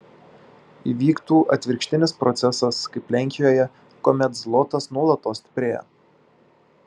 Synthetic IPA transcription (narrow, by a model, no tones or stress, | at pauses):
ḭːʋʲiːkt̪uːʔɐt̪ʲʋʲɪɾʲkʃʲt̪ʲɪnʲɪspɾʔɔt̪sʲɛsɐskɐɪplʲɛŋʲkʲɪjoːjɛ | komʲɛt̪zlˠɔt̪ɐsnuɔlˠɐt̪oːsʲt̪ʲɪ̥pʲɾʲeːjɛ̰